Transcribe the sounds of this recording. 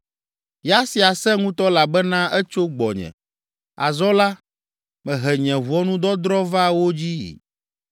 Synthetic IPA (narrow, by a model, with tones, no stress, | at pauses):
ja˦si˨a˨sɛ̃˦ŋũ˦t̪ɔ˦la˨bɛ˦nã˦ʔɛ˦t͡ʃo˦ɡ͡bɔ˨ɲɛ̰̃˨ | a̰˨zɔ˦la˦ | mɛ̃˨ɦɛ˨ɲɛ̃˨vu˨ɔ˦nũ˦d̪ɔ˦d̪ɾɔ˦va˦wo˦d͡ʑḭ˦˨